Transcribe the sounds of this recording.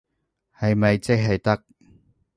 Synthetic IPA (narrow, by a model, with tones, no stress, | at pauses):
hɐ˨jmɐ˨jt͡sɪ˥k̚ɦɐ˨jt̪ɐ˥k̚